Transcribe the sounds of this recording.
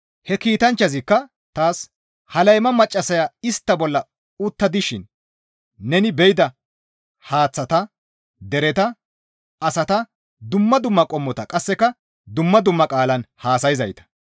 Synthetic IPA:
hɛkiːt̪ɐnt͡ʃːɐzɪkːɐ | t̪aːs | hɐlɐjmɐmɐt͡ʃʼːɐsɐjaːɪst̪ːɐbɔlːɐ | ʊt̪ːɐd̪ɪʃɪnː | ɛnɪbɛjɪd̪ɐ | haːt͡sːɐt̪ɐ | d̪ɛɾɛt̪ɐ | ɐsɐt̪ɐ | d̪ʊmːɐd̪ʊmːɐkʼɔmːɔt̪ɐkʼɐsːɛkɐ | d̪ʊmːɐd̪ʊmːɐkʼaːlɐnhaːsɐjɪzɐjt̪ɐ̥

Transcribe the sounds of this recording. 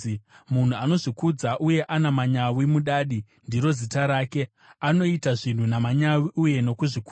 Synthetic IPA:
mun̤uano̞ʐikud͡zaʔuje̞ʔanamaɲawimuɗaːɗi | ndiɾo̞zitaɾaːke̞ | ano̞itaʐin̤unamaɲawiʔuje̞no̞kuʐiku

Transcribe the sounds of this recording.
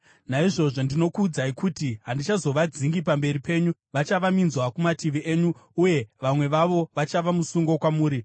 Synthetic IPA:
naiʐo̞ʐo̞ndino̞kuːd͡zaikutiɦandit͡ʃazo̞ʋad͡ziŋɡip̬ambe̞ɾipe̞ːɲuʋat͡ʃaʋaminzwakumatiʋiʔeɲuuje̞ʋamwe̞ʋaʋo̞ʋat͡ʃaʋamusuŋɡo̞kwamuːɾi

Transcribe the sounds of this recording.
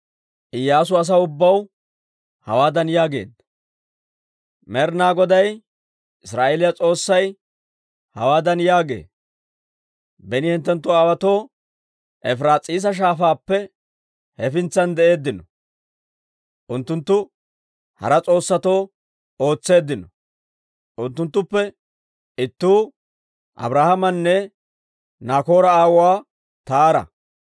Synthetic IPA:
ʔɪjːaːs̬ʊɐs̬ɐʊbːɐw | hɐ̰waːd̪ɐnjaːɡe̞̰ːd̪ɐ | mɛɾnaːɡɔd̪ɐj | ʔɪsɾaːʔelɪjɐt͡sʼo̞ːsːɐj | hɐ̰waːd̪ɐnjaːɡe̞̰ː | bɛnɪhɪnt̪ːɛnt̪ːʊɐwɐt̪o̞ː | ʔɛfɾaːt͡sʼiːs̬ɐʃ̬aːfaːpːɛ | hɛfɪnt͡sːɐnd̪ɛʔe̞ːd̪ːɪnɔ | ʔʊnt̪ːʊnt̪ːʊ | hɐ̰ɾɐt͡sʼo̞ːsːɐt̪o̞ː | o̞ːt͡sːe̞ːd̪ːɪnɔ | ʔʊnt̪ːʊnt̪ːʊpːɛ | ɪt̪ːuː | ʔɐ̰bɾaːhɐmɐnːɛ | naːko̞ːɾɐaːwʊwaː | t̪aːɾɐ̰

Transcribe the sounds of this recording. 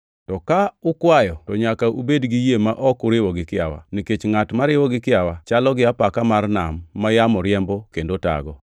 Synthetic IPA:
tɔkaʊkwajɔtɔɲakaʔubedɡijemaʔɔkʊɾɪwɔɡɪkɪa̰wa̰niket͡ʃŋatmaɾɪwɔɡɪkɪawat͡ʃalɔɡɪapakamarnamːajamɔɾɪɛmbɔkendota̰ɡɔ

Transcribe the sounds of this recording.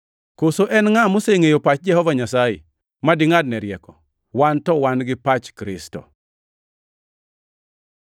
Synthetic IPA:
kosoʔɛnŋamoseŋejopat͡ʃ̚d͡ʒɛhɔvaɲasajḛ | madɪŋad̚nɛɾjɛkɔ | wantɔwanɡɪpat͡ʃkɾɪ̰stɔ̰

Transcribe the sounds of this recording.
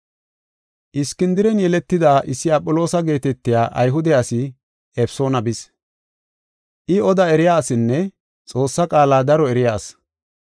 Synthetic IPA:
ʔɪskːɪnd̪ɪɾɛnjɛlɛt̪ːɪd̪aːʔɪsːɪɐpʼːɔlo̞ːsɐɡe̞ːt̪ɛt̪ːɪjaːʔɐjɦʊd̪ɛɐsɪ | ɛfso̞ːnɐbɪs | ʔɪɔd̪ɐɛɾɪjaːsɪnːɛ | t͡sʼo̞ːsːɐkʼaːlaːd̪ɐɾɔɛɾɪjaːs

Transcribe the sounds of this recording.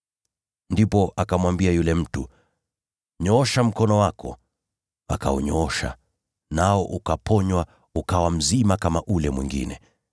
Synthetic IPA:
ndipɔʔakamwambiajulɛm̩tu | ɲɔɔʃam̩kɔnɔwakʰɔ̰ | a̰ka̰ṵɲɔɔʃa̰ | naɔʔukapʰɔɲwa | ukawam̩zimakamaʔulɛmwḭŋɡḭnɛ

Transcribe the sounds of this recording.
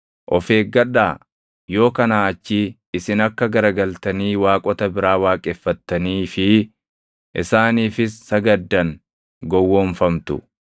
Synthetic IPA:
ʔɔfe̞ːɡɐᶑaː | jo̞ːkɐnaːɐt͡ʃːi | ɪsɪnɐkːɐɡɐɾɐɡɐlt̪ɐniːwaːkʼɔt̪ɐbɪɾaːwaːkʼɛfːɐt̪ːɐniːfɪ | ʔɪsaːniːfɪsːɐɡɐd̪ːɐŋ | ɡɔwːoːɱfɐmt̪ʊ̰

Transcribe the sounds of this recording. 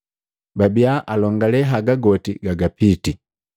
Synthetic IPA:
babiaʔalɔŋɡalɛɦaɡaɡɔtiɡaɡapiti

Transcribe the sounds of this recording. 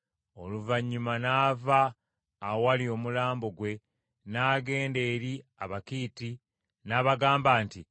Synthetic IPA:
o̞luvaɲːumanaːvaː | walio̞mulaːmbo̞ɡwe̞ | naːɡe̞ːnde̞ːɾiaβakiːti | naːβaɡaːmbaːnti

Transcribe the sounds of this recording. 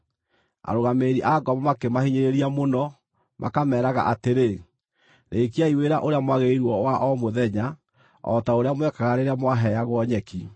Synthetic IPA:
a̰ɾoɣameːɾiʔaɡɔmɔmakemahiɲeɾeɾiamonɔ | mʔa̰kamɛːɾaɣa̰ʔateɾe | neːkiaiweɾaʔoɾeamwaɣeiɾwɔwaʔɔmoðɛɲa | ɔ̰taoɾeamwɛkaɣaɾeɾamwaɦɛjaɣwɔɲɛki

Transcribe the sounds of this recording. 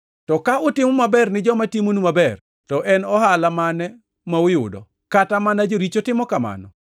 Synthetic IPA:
tɔkaʊtɪmɔmabɛrnɪd͡ʒɔmatimonumabɛr | tɔʔɛnɔɦalamanɛ | maʊjʊ̰dɔ̰ | katamanad͡ʒoɾit͡ʃotɪmɔkama̰nɔ̰

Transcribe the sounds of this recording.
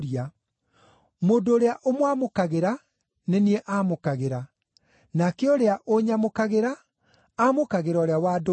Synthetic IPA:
ɾia | moːndoːɾeaʔomwamokaɣeɾa | nenieʔamokaɣeɾa | nakeɔɾeaʔoɲamokaɣeɾaː | mokaɣeɾɔɾeawaːdo

